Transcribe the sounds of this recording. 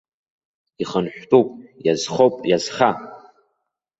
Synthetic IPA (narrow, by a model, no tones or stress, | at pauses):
iχənħʷᶣtʼupʼjazχowpʼjazχa